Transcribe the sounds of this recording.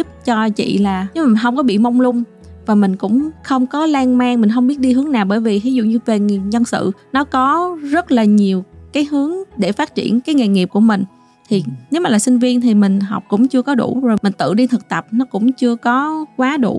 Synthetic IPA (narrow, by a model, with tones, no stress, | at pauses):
p̚t͡ɕɔ˧t͡ɕḭ˧˨laː˨˩˧maː˨˩i˨˩nɦə˧wŋ͡mkɔ˨˦ɓḭ˧˨mɔ˧wŋ͡mlʊ˧ŋ͡m | vaː˨˩mï˨˩ŋ̟kʊ̰˧˥ŋ͡mxə˧wŋ͡mkɔ˨˦laː˧ŋmaː˧ŋmi˨˩ŋ̟xə˧wŋ͡mɓi˦˥ət̚ɗi˧ɦɨ˨˦əŋnaː˨˩wɓəː˧˩jvi˨˩t̪i˨˦zʊ̰˧˨ɲɨ˧ve˨˩ŋi˨˩ɲə˧nsɨ̰˧˨nɔ˨˦kɔ˨˦zə˦˥t̚laː˨˩ɲi˨˩əwkaː˨˦jɦɨ˨˦əŋɗe˧˩faː˦˥t̚t͡ɕḭ˧˩ənkaː˨˦jŋe˨˩ŋi˨˩əp̚ku˧˩əmï˨˩ŋ̟ | t̪ʰi˨˩ne˨˦wmaː˨˩laː˨˩sï˧ŋ̟vi˧ənt̪ʰi˨˩mï˨˩ŋ̟ɦa˨˩wk͡p̚kʊ̰˧˥ŋ͡mt͡ɕɨ˧əkɔ˨˦ɗṵ˧˩zo˨˩mï˨˩ŋ̟t̪ɨ̰˧˨ɗi˧t̪ʰɨ˨˩k̚t̪ə˨˩p̚nɔ˨˦kʊ̰˧˥ŋ͡mt͡ɕɨ˧əkɔ˨˦kwaː˨˦ɗṵ˧˩